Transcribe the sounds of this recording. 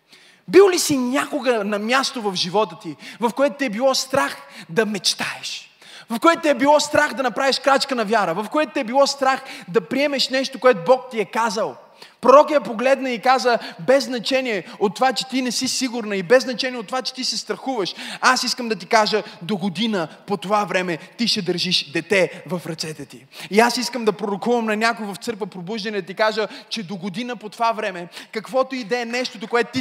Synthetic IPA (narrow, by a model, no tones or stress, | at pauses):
bilˠlisinʲakoɡənɐmʲjast̪ovɐvʒivɔt̪ət̪ivɐfkoɛt̪ʊt̪iɛbilˠɔst̪ɾaxd̪ɐmɛt͡ʃt̪aɛʃ | vɐfkoɛt̪ʊt̪iɛbilˠɔst̪ɾaxd̪ɐnɐpɾaviʃkɾat͡ʃkənɐvjaɾəvɐfkoɛt̪ʊt̪iɛbilˠɔst̪ɾaxd̪ɐpɾiɛmɛʃnɛʃt̪okoɛt̪obɔk̚t̪iɛkazəlˠ | pɾoɾɔkəjɛpoɡlɛd̪nɐikazəbɛznɐt͡ʃɛniɛot̪ːovat͡ʃɛ̥t̪inɛsisiɡʊɾnəibɛznɐt͡ʃɛniɛot̪ːovat͡ʃɛ̥t̪isɛst̪ɾɐxuvəʃasiskəmd̪ɐt̪ikaʒəd̪oɡod̪inəpot̪ovavɾɛmɛt̪iʃɛd̪əɾʒiʃd̪ɛt̪ɛvɐfɾɐt̪sɛt̪ɛt̪iiasiskəmd̪ɐpɾoɾokuvəmnɐnʲakʊvɐft̪sɤɾkvəpɾobuʒd̪ɐnɛd̪ɐt̪ikaʒət͡ʃɛd̪oɡod̪inəpot̪ovavɾɛmɛkɐkvɔt̪oid̪ɛɛnɛʃt̪ot̪okoɛt̪ot̪i